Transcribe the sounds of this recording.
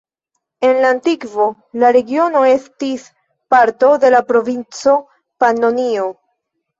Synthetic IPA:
e̞nlaːntikvo̞ | laɾe̞ɡio̞no̞e̞stis | paɾto̞de̞lapɾo̞vint͡so̞ | panonio̞

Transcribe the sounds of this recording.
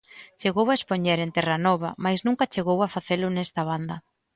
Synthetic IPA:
t͡ʃeɣowaespoɲɛɾent̪ɛranɔβɐ̰majznũŋkɐt͡ʃeɣowafaθelʊnɛst̪aβ̞and̪ɐ

